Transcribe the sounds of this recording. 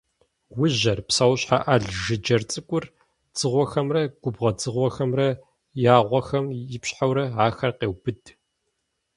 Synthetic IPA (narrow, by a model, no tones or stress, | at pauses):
wʊʑɐrpsawɕħa̰ʔaɮʒɨd͡ʒɐrt͡sʼɨkʷʼʊr | d͡z̥ɨʁʷɔxɐmrɐɡʷʊbʁɐd͡zɨʁʷɔxɐmrɐ | jaːʁʷɔxɐmjɪpɕħawɾɐaːxɐrqeːwbɨd